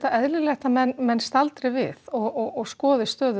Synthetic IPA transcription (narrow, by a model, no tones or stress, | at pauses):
t̪aɛðlɪlɛxt̪amɛnmɛnːst̪alt̪ɾɪvɪ̰θɔɣɔɣɔɣskɔːðɪst̪œːðʏ